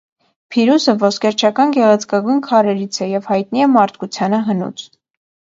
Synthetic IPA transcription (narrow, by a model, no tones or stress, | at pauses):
pʰiɾusəvɔskɛɾt͡ʃʰɑkɑnɡɛʁɛt͡sʰkɑɡujnkʰɑɾɛɾit͡sʰɛjɛvhɑjt̪̚niɛmɑɾt̪ʰkut͡sʰjɑnəɦənṵt͡sʰ